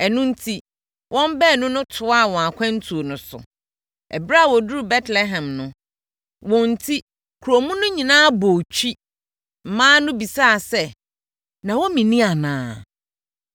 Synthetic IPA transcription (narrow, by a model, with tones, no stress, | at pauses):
ɛ˨nʊ̃˦n̩˦tʰi˦ | wʔɔ̃˦m˦bɛː˦˨nʊ̃˦nʊ̃˦tʰʊ˨a˦˨wɔ̃˨a˨kʷʰã˦n̩˦tʰu˨o˨nʊ̃˨sʊ̰˨ | ɛ̰˨bɾa˦˨wɔ˨du˦ɾu˨bɛ˦tlɛ˦ɦɛ̃˨mnʊ̃˨ | wɔ̃˨n̩˨tʰi˦ | kʰu˨ɾo˨mũ˦nʊ̃˦ɲĩ˨nãː˦bo˨t͡ɕʰᶣi˦ | m̩˨mãː˦nʊ̃˦bi˨saː˦˨sɛ˦ | nã˨wɔ˦mĩ˨nĩ˦a˨nãː˨˦